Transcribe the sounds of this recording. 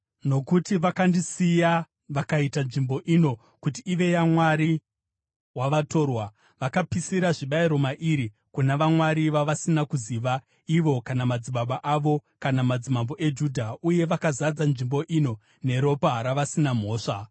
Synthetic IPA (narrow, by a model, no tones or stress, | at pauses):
no̞kutiʋakandisija | ʋakaitanʐimbo̞ʔino̞ | kutiːʋe̞jamwaɾi | waʋato̞ːrwa | ʋakapisiɾaʐiɓaiɾo̞maʔiɾi | kunaʋamwaɾiʋaʋasinakuziʋa | iʋo̞kanamad͡ziɓaɓaʔaʋo̞kanamad͡zimambo̞ʔe̞d͡ʒudʱauje̞ʋakazad͡zanʐimbo̞ʔino̞ | ne̞ɾo̞paɦaɾaʋasinam̤o̞ːʂa